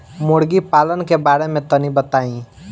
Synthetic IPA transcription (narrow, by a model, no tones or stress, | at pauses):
moɽɡipaːlənkebaːɾemẽt̪ənibət̪aĩ